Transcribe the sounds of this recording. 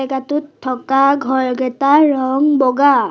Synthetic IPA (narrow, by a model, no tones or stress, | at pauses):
ɛkatutʰːɔkaɡʱɔɹɡɛtaɹɔŋbɔɡa